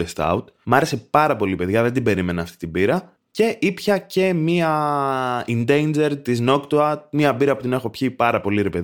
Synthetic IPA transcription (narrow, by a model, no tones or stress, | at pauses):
est̪ɐ̰ut̪mɐɾe̞se̞pɐɾɐpo̞lipe̞ðʝɐðed̪ibe̞ɾime̞nɐɐft̪i̥t̪ibiɾɐ | ce̞ʔipçɐce̞miɐ | ind̪e̞jnd͡ʒe̞ɾt̪izno̞kt̪oɐmiɐbiɾɐput̪ine̞xo̞pçipɐɾɐpo̞liɾe̞pe̞